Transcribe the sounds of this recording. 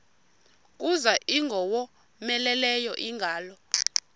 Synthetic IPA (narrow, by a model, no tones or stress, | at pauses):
kʼuzaʔiŋɡʱɔwɔ | mɛlɛlɛjɔʔiŋɡʱaːlɔ